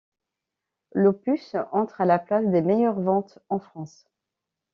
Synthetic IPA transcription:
lopysɑ̃t̪χalaplasd̪emejœʁvɑ̃t̪ɑ̃fχɑ̃s

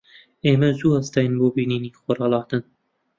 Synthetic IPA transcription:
eːmɛzuːɐst̪ɑjnboːbiːniːniːxoɾɑːlˠɑːt̪ɨn

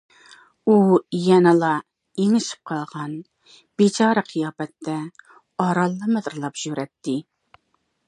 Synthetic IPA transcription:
ujɛnɨlˠɑ | eŋɪʃi̥p̚qʰɑlˠʁɑn | b̥it͡ʃʰɑːɾəqʰijɑːbɛt̪ːɛ | ɑɾɑlˠːɨmɨd̪ɾlˠɑpʒ̥øɾɛt̪ːɪ

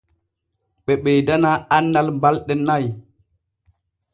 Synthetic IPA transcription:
ɓɛɓɛjdanaanːalmbalɗɛnaj

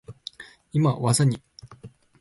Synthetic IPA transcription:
imawazaɲi

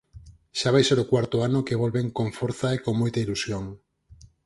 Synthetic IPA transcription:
ʃaβajseɾokwaɾt̪oanokeβ̞olβeŋkoɱfoɾθaekoŋmojt̪ailusjoŋ

